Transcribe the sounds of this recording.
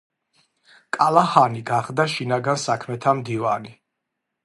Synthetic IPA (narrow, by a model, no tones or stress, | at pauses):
kʼalˠahaniɡaχd̪aʃinaɡansakʰmɛt̪ʰamd̪iva̰ni